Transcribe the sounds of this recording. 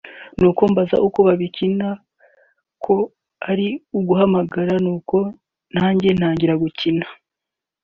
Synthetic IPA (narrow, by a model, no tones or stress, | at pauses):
nuːko̞mbaza̰ʔukoβaβicina | kʰo̞ | aɾiuɡuɦamaɡaɾanuːko̞ | n̥haːɲɟe̞n̥haːɲɟiɾaɡucinḁ